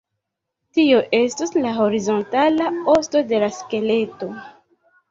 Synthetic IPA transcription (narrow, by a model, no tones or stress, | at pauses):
tio̞ʔe̞stuslaɦo̞ɾizo̞ntalao̞sto̞de̞laske̞le̞to̞